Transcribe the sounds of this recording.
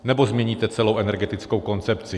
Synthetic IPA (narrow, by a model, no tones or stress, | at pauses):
nɛbo̞zmɲɛɲiːt̪ɛt͡sɛlo̞wʔɛnɛɾɡɛt̪ɪt͡skowko̞nt͡sɛpt͡sɪ